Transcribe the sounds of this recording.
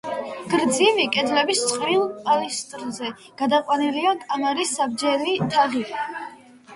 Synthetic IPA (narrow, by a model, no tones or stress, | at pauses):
ɡ̥ɾd̪zivikʼɛd̪lɛbist̪sʼqʼɾilˠpʼalist̪ʼɾzɛ | ɡ̥ad̪aqʼwaniliakʼamaɾisːabd͡ʒɛlit̪ʰaʁi